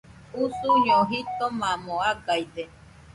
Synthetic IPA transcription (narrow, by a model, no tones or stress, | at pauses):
usujoɦit̪omãmoaɡajd̪e